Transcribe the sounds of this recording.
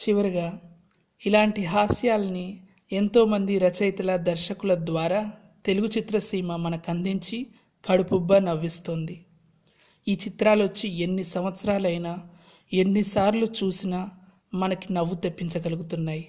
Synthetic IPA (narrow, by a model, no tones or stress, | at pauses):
t͡ʃiʋɐɾiɡaː | ilaːɳʈiɦaːsjaːlɐni | e̞nt̪o̞ːmɐnd̪iɾɐt͡ʃɐjt̪ɐlɐd̪ɐɾʃɐkulɐd̪ʋaːɾaː | t̪e̞luɡut͡ʃit̪ɾɐsiːmɐmɐnɐkɐnd̪iɲt͡ʃi | kɐɽupubːɐnɐʋːist̪o̞ːnd̪i | iːt͡ʃit̪ɾaːlot͡ʃːie̞nːisɐmʋɐt̪sɐɾaːlɐjnaː | e̞nːisaːɾlut͡ʃuːsinɐ | mɐnɐkinɐʋːut̪epːiɲt͡ʃɐɡɐluɡut̪unːaːji